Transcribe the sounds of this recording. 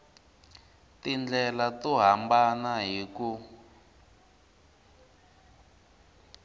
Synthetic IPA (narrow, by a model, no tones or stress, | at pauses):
tind͡ɮɛlatuɦambanaɦiku